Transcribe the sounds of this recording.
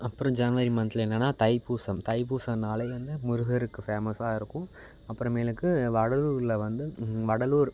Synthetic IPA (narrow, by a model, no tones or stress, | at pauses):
ɐpːɯɾõd͡ʒɐnʋɐɾimɐnt̪ɪlɛnːɐnːaːt̪ɐɪpːuːsɐmt̪ɐɪp̬uːsɐnaːleːʋɐnd̪ɯmʊɾʊɣɐɾɯkːɯfeːmɐsaːɪɾɯkːʊ̃ | ɐpːɯɾɐ̃meːlɯkːɯʋɐɽɐluːɾɪlɐʋɐnd̪ɯʋɐɽɐluːɾ